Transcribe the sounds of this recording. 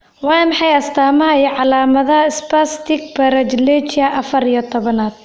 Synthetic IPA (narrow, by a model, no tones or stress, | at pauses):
wɑːnmɑħɑjɐst̪ʰaːmɐijʕɑlaːmɐðɐɪspɐst̪ʰɪɡ̚bɐɾɐd͡ʒlɛt͡ʃɪɐʔɐfɐɾijɔt̪ʰɔβɐnaːd̪̥̚